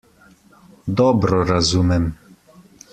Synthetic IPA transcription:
d̪ɔbɾɔɾazumɛm

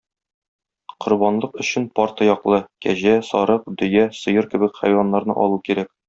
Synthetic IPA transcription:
qŏɾbɑnlˠɤqɵ̆ɕɘnpɒɾt̪ɤjɒqlˠɤkæʑæsɒɾɤq̚d̪ɵ̆jæsɤ̆jɤɾkɘ̆bɘkχæ̰jwɑnːɑɾnɤ̰ʔɒ̰lˠukiɾæk̚

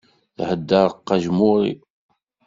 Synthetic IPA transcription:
θhəd̪ːəɾˤəqːɑʒmʊɾḭ

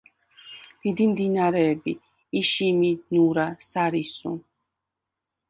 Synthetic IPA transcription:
d̪̥id̪imd̪inaɾɛbiː | ʃiminuɾasaɾisṵ̃

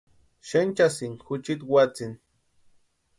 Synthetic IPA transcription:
ʃent͡ʃasiŋxʊt͡ʃit̪wat͡sin

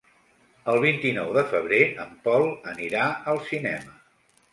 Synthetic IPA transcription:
əlˠβ̞int̪inɔwðəfəβ̞ɾeəmpɔlˠəniɾaəlˠsinɛmə

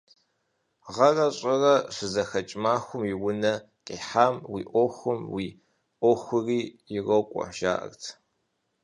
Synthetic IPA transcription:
ʁɐrɐɕʼɐrɐʂʷɨzɐxɐt͡ʃʼmaːxʷʊmɪwʊnɐ | qʼeːħaːmwḭːʔʷoxʷʊmwiː | ʔoxʷʊriːjɪrɐwkʷʼɔ̰ħʒa̰ːʔɐ̰rtʰ

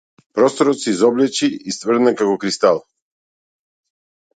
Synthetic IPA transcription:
pɾɔst̪ɔɾɔt̪sizɔblɛt͡ʃiːst̪vərɾd̪nakakɔkɾist̪alˠ

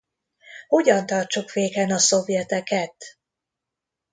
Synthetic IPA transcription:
ho̞ɟɒnt̪ɒrt͡ʃukʋeːkɛnɒso̞vjɛt̪ɛkɛt̪

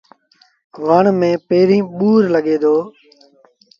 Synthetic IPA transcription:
ʋəɳmẽːpeːɾĩːɓuːɾləɠeːd̪ʱoː

